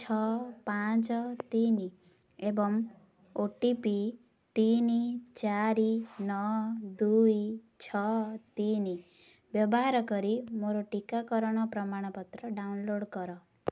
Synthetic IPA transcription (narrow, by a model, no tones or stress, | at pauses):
t͡ʃʰɔpãt͡ʃɔt̪ini | ebɔm | oʈipi | t̪init͡ʃaɾinɔd̪uj | t͡ʃʰɔt̪ini | bjɔbɔɦaɾɔkɔɾimoɾoʈikakɔɾɔɽ̃ɔpɾɔmaɽ̃ɔpɔt̪ɾɔɖawnloɽkɔɾɔ